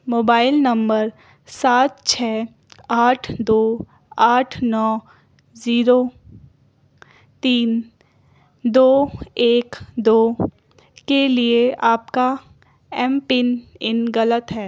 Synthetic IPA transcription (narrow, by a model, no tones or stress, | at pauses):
moːbaːɪlnɐ̃mbəɾ | saːt̪̚t͡ʃʰɛː | aːʈʰd̪oː | aːʈʰnɔː | ziːɾo | t̪iːn | d̪oːeːkd̪oː | kelieʔaːpka | ɛːmpɪnɪnɣɐlət̪ɦɛː